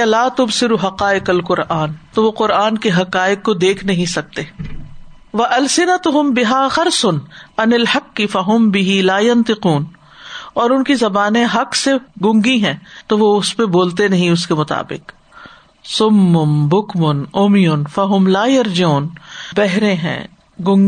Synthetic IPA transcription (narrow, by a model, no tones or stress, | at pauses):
laːt̪ʊbsɪɾuɦɐqaːɪqɐlqʊɾʔaːnt̪oʋoqʊɾʔaːnkeɦɐqaːɪkːod̪eːkʰnɐɦĩsɐk̚t̪eː | ʋɐʔɐlsɪnɐt̪ʊɦʊmbɪɦaːxɐɾsʊnɐnɪlhɐqːɪfɐɦʊmbɪɦilaːjɐnt̪ɪquːn | ɔːɾʊnkizɐbaːnẽɦɐqsefɡʊ̃ŋɡiɦɛ̃ːt̪oʋoʊspeboːlt̪enɐɦĩʊskemʊt̪a̰ːbɪ̰q | sʊmːʊmbʊkmʊnʊmɪjʊnfɐɦʊmlaːjɐɾd͡ʒuːnbɛɦɾẽɦɛ̰̃ː | ɡʊ̃ŋɡ